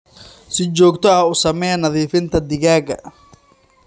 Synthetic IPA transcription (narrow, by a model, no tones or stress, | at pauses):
sɪt͡ʃɔːɡt̪ʰɔɐʊsɐmɛjɐnɐðiːfɪnt̪ʰɐd̪ɪɣaːɡɐ̰